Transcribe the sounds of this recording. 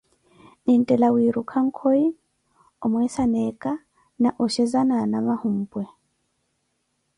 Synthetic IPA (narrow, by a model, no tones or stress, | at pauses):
nin̩tʼɛlawiɾukʰaŋ̩kʰoi | ɔmwɛsanɛkʼa | naʔɔʃɛzananamahum̩ːpʼwɛ